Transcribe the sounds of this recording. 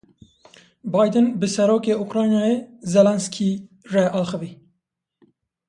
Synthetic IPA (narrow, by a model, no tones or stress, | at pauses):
bɑjd̪ɨnbɨsɛɾoːkeːukɾɑːjnɑːjezɛlɛnskʰiː | rɛʔɑːxɨviː